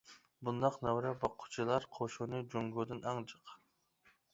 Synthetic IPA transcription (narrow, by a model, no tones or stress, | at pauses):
bund̪ɑqnɛwɾɛbɑqʰːʊ̥t͡ʃʰilˠɑɾqʰoʃunɨd͡ʒoŋɡud̪ɨnɑŋt͡ʃʰəq